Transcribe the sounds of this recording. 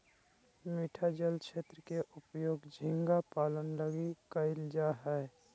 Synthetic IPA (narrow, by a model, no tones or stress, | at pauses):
miʈʰad͡ʒəlkʃeːt̪ɾəkeʔʊpjoːɡd͡ʒʱiɪŋɡapaːlənləɡikəɪld͡ʒaɦɛː